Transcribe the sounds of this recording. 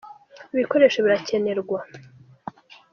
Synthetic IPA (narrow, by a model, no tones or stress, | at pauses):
iβiko̞ɾe̞ːʃoβiɾace̞ne̞ɾɡwa